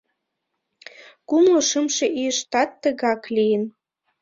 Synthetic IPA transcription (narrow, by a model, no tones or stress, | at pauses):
kumloʃəmʃeʔijəʃt̪ɑt̪ːəɣɑklijən